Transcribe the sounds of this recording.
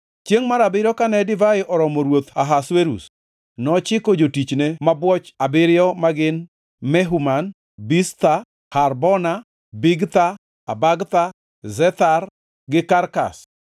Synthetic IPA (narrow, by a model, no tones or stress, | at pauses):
t͡ʃjeŋmaɾabɪɾjɔkanɛdɪvaɪʔɔɾɔmɔɾwot̪aɦasweɾṵs | nɔt͡ʃɪkod͡ʒotit͡ʃnemabwɔt͡ʃabɪɾɪjɔmaɡɪn | mɛɦuman | bist̪a | harbɔna | biɡt̪aː | baɡt̪a | zɛt̪ar | ɡɪkarka̰s